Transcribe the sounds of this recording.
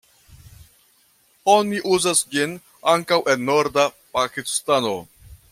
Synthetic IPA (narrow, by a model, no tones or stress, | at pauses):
o̞niʔuzasd͡ʒin | aŋkawʔe̞nːo̞ɾdapakistano̞